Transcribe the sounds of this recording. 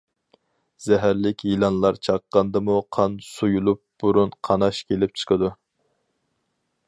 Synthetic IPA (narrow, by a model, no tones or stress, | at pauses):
z̥ɛɦæɾlɪkʲʰjilˠɑnlˠɑɾt͡ʃʰɑqːɑnd̪ɨmuqʰɑnsujulˠup̚b̥uɾunqʰɑnɑʃkʲʰelɪp̚t͡ʃʰə̥qʰəd̪u